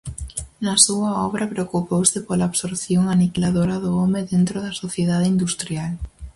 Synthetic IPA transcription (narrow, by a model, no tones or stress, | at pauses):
nasuaɔβɾapɾeokupowsepolaːβsoɾθjoŋanikilaðoɾaðʊɔmeðent̪ɾoðasoθjeðaðeind̪ust̪ɾjal